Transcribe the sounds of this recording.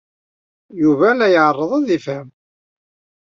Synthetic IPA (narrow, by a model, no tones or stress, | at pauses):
juvælːæjəʕərˤːəðˤɑðifæm